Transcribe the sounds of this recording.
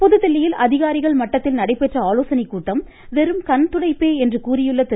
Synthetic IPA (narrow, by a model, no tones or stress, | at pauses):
pɔðɯt̪ːɐɭːɪjɪlʔɐðɪɣaːɾɪɣɐɭmɐʈːɐt̪ːɪlnɐɽɐɪpːɛʈrɐaːloːsɐnɪkːuːʈːɐm | ʋɛɾɯmkɐnt̪ʊɽɐɪpːeːɛndrɯkuːɾɪjɯɭːɐt̪ɪ